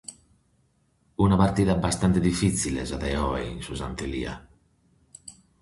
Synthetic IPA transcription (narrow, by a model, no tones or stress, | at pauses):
unapaɾt̪iðabast̪ant̪ed̪ifit̪silḛzaðɛɔeinsuza̰nt̪elḭa̰